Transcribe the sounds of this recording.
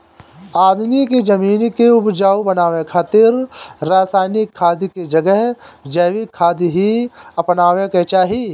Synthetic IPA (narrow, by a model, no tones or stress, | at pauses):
aːd̪miked͡ʒɐmiːnkeʊbd͡ʒaːubɐnaːʋẽkʰaːt̪ɪɾːaːsaːɪnɪkʰːaːd̪iked͡ʒɐɡəɦd͡ʒɛːʋikʰːaːd̪iɦiɐpnaːʋẽket͡ʃaːɦi